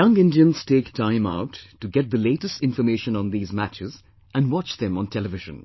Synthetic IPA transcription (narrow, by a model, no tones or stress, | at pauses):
jʌ̃ŋɪ̃ndiə̃nz̥teːktʰãɪ̃ma̰ʊtːuɡɛt̚d̪əleːʈəstɪ̃nfəmeːʃə̃nɔ̃nd̪iːzmæt͡ʃɪz | ʔæ̃nɖwɑt͡ʃd̪ɛ̃mɔ̃ntʰɛləʋɪʒə̰̃n